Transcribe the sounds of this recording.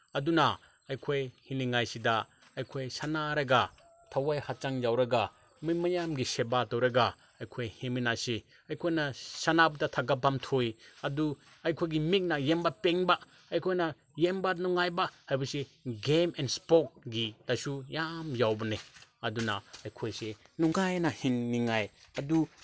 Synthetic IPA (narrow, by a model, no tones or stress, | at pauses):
ɐdunɐː | jkʰojhiliŋajsidɐ | ɐjkʰojsanaɾɐɡa | tʰawajhat͡ʃaŋjawɾɐɡa | mimɐjamɡisebatowɾɐɡaː | jkʰojheminasi | ɐjkʰojnɐsanabɐdɐtʰaɡapːamtʰojɐdu | ɐjkʰojɡimik̚nɐjembɐpeŋbaː | jkʰojnɐ | jembɐnuŋajbahajbɐseɡemenspok̚ɡitɐsujamjawbɐneɐdunɐɐjkʰojsenuŋajnɐhinːiŋajɐdu